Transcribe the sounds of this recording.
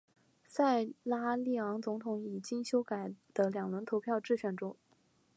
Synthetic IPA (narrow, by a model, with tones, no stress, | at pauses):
sa˥˩ɪla˥li˥˩ɑ˧˥ŋt͡sʊ˧˥ŋt̪ʰʊ˧˥ŋi˨˩t͡ɕi˥ŋɕjo˥ʊka˨˩ɪd̪̥ə˦ljɑ˨˩ŋwə˧˥nt̪ʰo˧˥ʊpʰjɑ˥˧ʊʈ͡ʂɻ̩˥˩ɕɥɛ˨˩nʈ͡ʂʊ˥ŋ